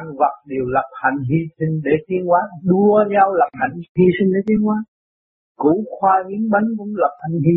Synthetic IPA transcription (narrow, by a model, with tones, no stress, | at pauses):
a˧ŋva˨˩t̚ɗe˨˩əwlə˨˩p̚ha˧˩jŋ̟ɦi˧sï˧ŋ̟ɗe˧˩t̪ʰi˧ənkwaː˨˦ɗu˧əɲa˧wla˨˩p̚ha˨˩jŋ̟hi˧sï˧ŋ̟ɗe˧˦t̪ʰi˧ənʔwaː˨˦ | ku˧˩˦xwaː˧vi˧˦əŋɓa˨˦ŋkʊ̰˧˥˦ŋ͡mlə˨˩p̚ha˨˩jŋ̟hi˧